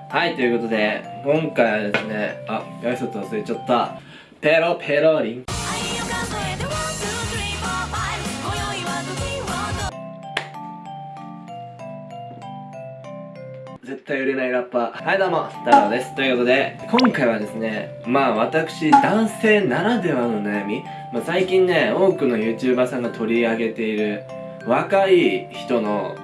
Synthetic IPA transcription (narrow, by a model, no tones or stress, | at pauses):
hait̪o̞jɯ̟ko̞t̪o̞d̪e̞kõ̞ŋkaiβad̪e̞sɨne̞ajaisot͡sɨosɨɯt͡ɕot̪ːoa | peɾopʰeɾoɾʲĩŋ | ze̞t̪ːaiɯ̟ɾe̞naiɾapːahad̪amo̞sɨ̥t̪aːɾod̪e̞sɨ̥t̪o̞jɯ̟ko̞t̪o̞d̪e̞kʰõ̞ŋkaiβad̪e̞sɨne̞ | maːβ̞at̪akɯ̟̥ɕid̪ãɰ̃se̞ːnaɾad̪e̞βanonajamʲi | masaikʲĩnːe̞o̞ːkɯ̟no̞jɯ̟ːt͡ɕɨːbasãŋɡat̪ʰo̞ɾʲiaɡe̞t̪e̞iɾɯ̟ | βakaiçi̥t̪o̞no̞̰